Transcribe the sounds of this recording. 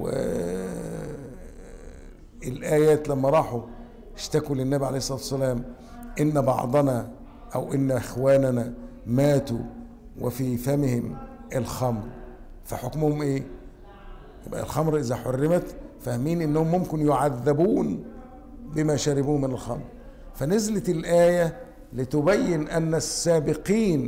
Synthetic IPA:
wɪ̰ | ɪlʔæːjæːt̪læmːæɾˤɑːħu | ɪʃt̪ækulɪnːæbiʕa̰lejhsˤːɑt̪wsːælæːm | ʔɪnːbɑ̰ʕd̪ˤɑnɑ | ʔæwʔɪnːʔɪxwæːnænæmæːt̪u | wɪfiːfæmɪhɪm | ʔelxɑmɾ | fæħokmʊhʊmʔeː | jɪ̰bʔæ̰lxɑmɾʔɪzæħorːɪmæt̪fæhmiːnʔɪnːæhʊmːomkɪnjoʕaðːæbuːn | bɪmæːʃæɾɪbuːmɪnælxɑ̰mɾ | fænɪzlɪlʔæːjæ | lit̪ʊbæjːɪnʔænːæsːæːbɪqiːn

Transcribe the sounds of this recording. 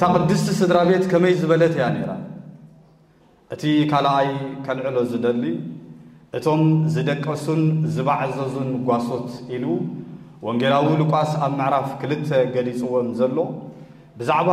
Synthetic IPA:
ɨt̪ʰakʼɨd̪ɨst̪ʰisɨd̪ɾaβe̞t̪kʰɐmɐjzɨβɐlɐt̪ʰijane̞ɾa̰ | ʔɨt̪ʰikʰalajkʰɐlʕɨlo̞zɨd̪ɐlːi | ʔɨt̪ʰo̞mzɨd̪ɐkʼːɐsunzɨβaʕzɐzunɡʷaso̞t̪ʔilu | woŋɡelawilɨkʷʼasaβmɨʕɾafkʰɨlɨt̪ʰːeɡɐlit͡sʼɨwo̞nzɐlːo̞ | bɨzaʕβa

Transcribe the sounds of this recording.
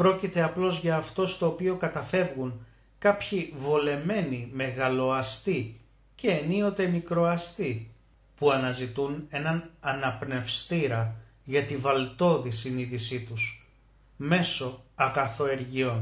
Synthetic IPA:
pɾo̞cit̪e̞ɐplo̞zʝɐːft̪o̞st̪o̞ːpio̞kɐt̪ɐfe̞vɣuŋ | kɐpçivole̞me̞nime̞ɣɐlo̞ɐst̪i | ce̞ːnio̞t̪e̞mikɾo̞ɐst̪i | puɐnɐzit̪une̞nɐnɐnɐpne̞fst̪iɾɐ | ʝɐt̪ivɐlt̪o̞ðisiniðisit̪us | me̞so̞ɐɣɐθo̞e̞ɾʝio̞n

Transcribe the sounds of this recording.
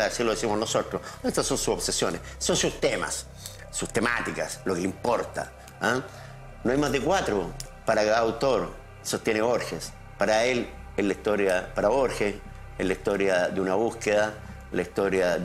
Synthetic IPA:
aðesiloesimonosotɾosest̪asonsuopsesjonessonsust̪ema̰sː | ust̪ema̰t̪ikaslokelimpoɾt̪a̰ | a | noajmazðekwat̪ɾopaɾakaawt̪oɾ | sot̪jeneβo̞ɾxes | paɾaelehlaiht̪o̞ɾjapaɾaβo̞ɾxe | elaist̪oɾjaðeunaβuhkeða | laist̪oɾjað

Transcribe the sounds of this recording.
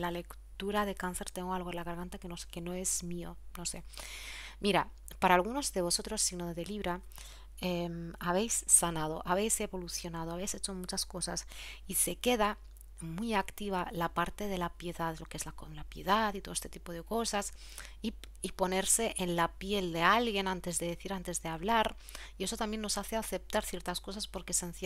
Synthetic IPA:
lale̞kt̪uɾaðe̞kanθe̞ɾt̪eŋɡoalɣolaɣ̞aɾɣant̪akenoske̞no̞e̞zmio̞̰no̞se̞ | mʔiɾa | paɾaːlɣ̞uno̞zðe̞β̞o̞so̞t̪ɾo̞sːinoðeðeliβɾa | emaβ̞e̞jsːanað̞o̞̰ʔaβ̞e̞jse̞βo̞luθjo̞nað̞oaβe̞jse̞t͡ʃo̞mut͡ʃasko̞sasise̞ke̞ða | mwiakt̪iβ̞alapaɾt̪e̞ð̞e̞lapje̞ðaðelo̞kee̞zlakolapje̞ðat̪it̪o̞est̪e̞t̪ipo̞ð̞e̞ko̞sas | i | ipo̞ne̞ɾse̞ʔenlapje̞ld̪e̞alɣje̞nant̪e̞zðe̞ðeθiɾant̪e̞zðeaβ̞laɾ | ie̞so̞t̪ambje̞nːo̞saθe̞aθe̞p̚t̪aɾθje̞ɾt̪asko̞saspo̞ɾkesenθ

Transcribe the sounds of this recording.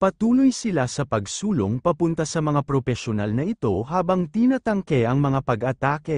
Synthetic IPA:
pɐt̪uːlojsɪlasɐpɐɡsuːlo̰ŋpɐpʊnt̪asɐmɐŋapɾofɛʃonalnɐʔɪt̪o̞ɦaːbɐŋt̪inɐt̪ɐŋkɛɐŋmɐŋapɐɡʔɐt̪aːkɛ

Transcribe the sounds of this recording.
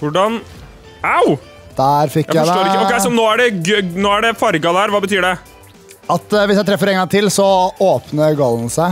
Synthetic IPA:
ʋʊɖɑn | aʊ | d̪̥æːɾfɪkːʔjæoːɾɪksɔnoːæɖɛɡnoːæɖɛfɑɾɡɑd̪æɾʋɑːbət̪ʰyːɖɛ | ɑt̪ʋɪsjæt̪ɾɛfːəɾɛŋɡɑŋt̪ʰɪlsɔoːpnəɡɑlːən̩sæɪ

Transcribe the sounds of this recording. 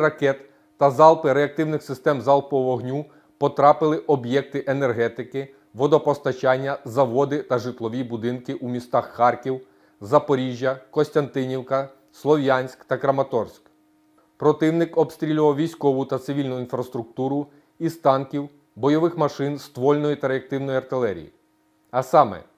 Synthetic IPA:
ɾɐkɛt̪ː | ɐzɑlˠpɪɾeɐk̚t̪ɪwnɪxsɪst̪ɛmzɑlˠpɔɔɦnʲu | pɔt̪ɾɑpɪlˠɪʔɔbjɛk̚t̪ɪʔenɛrɦɛt̪ɪkɪ | ʋɔd̪ɔpɔst̪ɐt͡ʃɑnʲːɐzɐʋɔd̪ɪt̪ɐʒɪt̪lˠɔʋʲibʊd̪ɪnkɪʔumʲist̪ɑxːɑrkʲiw | zɐpɔɾʲiʒʲjɐkɔsʲt̪ʲɐnt̪ɪnʲiwkɐ | slˠɔʋjanʲsʲkt̪ɐkɾɐmɐt̪ɔrsʲk | pɾɔt̪ɪwnɪkɔbst̪ɾʲilʲuʋɐwʋʲijsʲkɔʋʊt̪ɐt̪sɪʋʲilʲnʊinfɾɐst̪ɾʊk̚t̪uɾʊ | ist̪ɑnkʲiw | bɔjɔʋɪxmɐʃɪnst̪ʋɔlʲnɔjit̪ɐɾeɐk̚t̪ɪwnɔjɐrt̪ɪlˠɛɾʲḭjḭ | ɐsɑmɛ̰

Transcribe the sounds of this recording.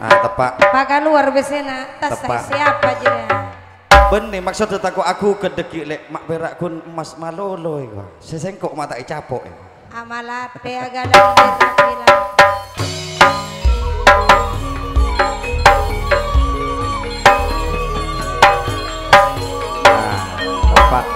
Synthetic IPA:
ʔa̰t̪əpa̰ʔpakaluarbɛsenat̪at̪əaasiapad͡ʒidi | bənːimak̚sut̪̚sət̪akoʔakukədəkiʔlɛʔmaʔpɛɾaʔkunəmasmalolɔika̰sɛsɛŋkɔʔmat̪ait͡ʃapɔ̰ʔḭ | amalapeaɡalaatapila | a̰ | t̪əpːa̰ʔ

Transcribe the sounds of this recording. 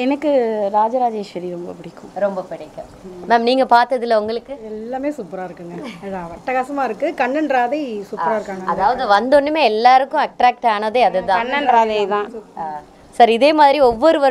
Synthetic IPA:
ɛnɐkːɯɾaːd͡ʒɐɾaːd͡ʒeːʃʋɐɾiɾɔmbɐ̰pɪɽɪkːʊ̃ɾɔmbɐpɪɽɪkːʊmmɛːmniːŋɡɐpaːɾt̪ɐðɪlːɐʊŋɡɐɭɯkːɯɛlːaːmeːsʊpːɾaːɪɾɯkːɯŋɡɐɐðãːʋɐʈːɐɣaːsɐmaːɪɾɯkːɯkɐɳːɐnɾaːðɐɪsʊpɾaːɪɾɯkːaːŋɡɐɐðaːʋɐðɯʋɐnd̪ɔnːɯmeːɛlːaːɾɯkːʊ̃ɐk̚ʈɾaːk̚ʈaːnɐðeːɐðɯt̪ãːɐnːɐnɾaːðɐjt̪ãːaː | sɐɾɪðeːmaːðɪɾiɔʋːɔɾɯʋɐ

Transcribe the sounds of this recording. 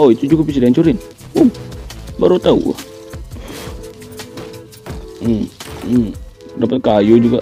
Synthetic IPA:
oit̪ud͡ʒuɡapis̬idant͡ʃuɾɪn | ombaɾut̪aṵa̰ | dapət̪̚kajud͡ʒuɡa

